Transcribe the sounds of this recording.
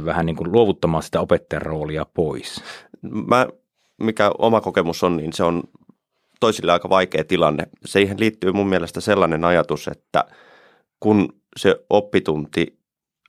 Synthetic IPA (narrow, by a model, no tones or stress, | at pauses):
ʋæhæniːŋkulluoʋut̪ːɑmɑːsi̥t̪æopet̪ːɑjɑ̰rroːliɑpois | mæ | mikæo̰mɑkokemusonniːnseon | t̪oisilːeɑikɑʋɑikeːt̪ilɑnːḛseiːhenliːt̪ːyːmummiælest̪æselːɑnenɑjɑt̪usḛt̪ːæ̰ | kun | seʔopːit̪unt̪i